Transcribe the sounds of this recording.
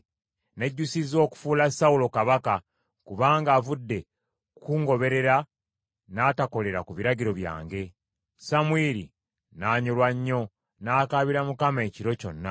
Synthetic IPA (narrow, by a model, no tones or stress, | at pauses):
ne̞ɟːusizo̞ːku̥fuːlasaulo̞kaβaka | kuβaːŋɡaːvudːe̞ | kuːŋɡo̞βe̞ɾe̞ɾa | naːtako̞le̞ɾakuβiɾaɟiɾo̞βja̰ːŋɡe̞ | samwiɾi | naːɲolwaɲːo̞ | naːkaːβiɾamukamae̞ːciɾo̞co̞̰nːa